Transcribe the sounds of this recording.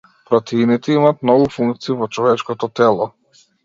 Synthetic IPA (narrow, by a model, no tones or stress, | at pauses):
pɾɔt̪ʰɛinit̪ɛimaːt̪̚mnɔɡufuŋkt̪siːvɔt͡ʃɔvɛt͡ʃkɔt̪ɔt̪ɛlˠɔ